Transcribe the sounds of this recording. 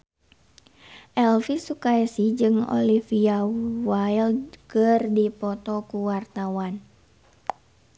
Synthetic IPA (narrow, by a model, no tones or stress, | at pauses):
ʔɛlfisukaɛsid͡ʒɨŋo̰lifiawailkərdipɔt̪ɔkuwart̪awan